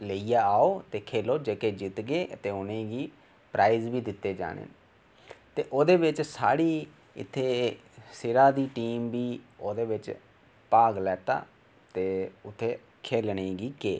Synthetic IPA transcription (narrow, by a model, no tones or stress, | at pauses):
ləijaːaːoːt̪eːkʰeːloːd͡ʒeːkeːd͡ʒɪt̪ɡeːət̪eːʊnẽːɡiː | pɾaːɪzbiːd̪ɪt̪ːeːd͡ʒa̰ːɽḛː | t̪eːʔoːd̪eːʋɪt͡ʃsa̰ːɽiː | ɪ̰t̪ʰːeː | sɪɾaːd̪iːʈiːmbiːoːd̪eːʋɪt͡ʃ | paːɡlɛːt̪a̰ː | t̪eːʊt̪ʰːeː | kʰeːlɳeːɡiːkeː